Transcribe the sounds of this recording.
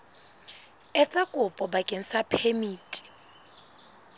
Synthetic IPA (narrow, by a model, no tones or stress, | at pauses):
ɛt͡sʼakʼʊpʼɔbakʼen̩sapʰemiːtʼi̥